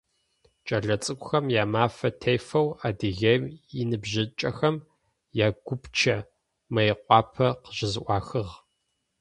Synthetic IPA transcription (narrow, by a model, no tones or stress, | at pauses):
t͡ʃʼɐɮɐt͡sʼɨkʷʼʊxɐmjaːmaːfɐtʰejfɐwaːdɨɣejmɪnɨbʑɪt͡ʃʼɐxɐm | jaːɡʷʊpt͡ʃʰɐ | mɐjqʷʼɑːpʰɐqəʑɪzʔʷɑːxɨʁ